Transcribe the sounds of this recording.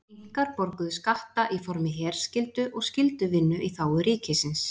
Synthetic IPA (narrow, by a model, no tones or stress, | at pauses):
iŋkaɾpɔɾkʏðʏskaht̪aʔifɔɾmɪɦɛːɾ̥scɪlt̪ʏʔɔɣscɪlt̪ʏvɪnːʏʔiθaːwʏɾiːcɪsɪns